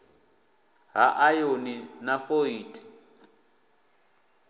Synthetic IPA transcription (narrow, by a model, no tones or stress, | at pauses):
ɦaʔajoninafoiːtʼi̥